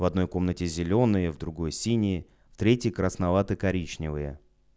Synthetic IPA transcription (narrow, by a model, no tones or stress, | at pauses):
vɐd̪̚no̞jko̞mnətʲɪzʲɪlʲo̞nɨjəvd̪ɾʊɡo̞jsʲinʲɪ | ft̪ɾʲetʲjɪjkɾəsnɐvat̪ɨkɐɾʲit͡ɕnʲɪvɨjə